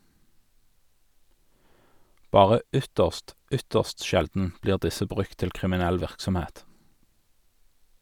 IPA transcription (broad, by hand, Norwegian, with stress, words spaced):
ˈbɑːʁə ˈʏtəʁst ˈʏtəʁst ˈʃɛldn̩ ˈbliːʁ ˈdɪsə ˈbʁʉk ˈtɪl kʁɪmɪˈnɛl ˈʋɪʁksɔmˌheːt